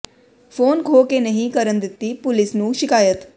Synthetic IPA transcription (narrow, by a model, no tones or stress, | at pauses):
pʰoːnkʰoːkeːnəɦĩːkəɾənd̪ɪt̪ːiːpʊlɪsnũːʃɪkaːjət̪